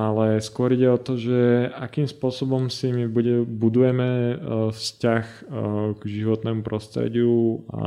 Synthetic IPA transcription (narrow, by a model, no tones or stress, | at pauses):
alɛskʊɔɾiɟɛɔt̪ɔʒɛakiːmspʊɔsɔbɔmsimibuɟɛbud̪ujɛmɛfscax | ɡʒiʋɔt̪nɛːmupɾɔst̪ɾɛ̰ɟɪua̰